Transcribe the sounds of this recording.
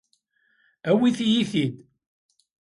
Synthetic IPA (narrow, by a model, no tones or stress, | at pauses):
æwiθijiθid̪